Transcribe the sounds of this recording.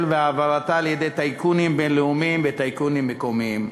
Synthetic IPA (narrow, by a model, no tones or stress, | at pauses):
lveavaʁat̪aːljed̪ejt̪ajkunimbenleumimvet̪ajkunimːekomiim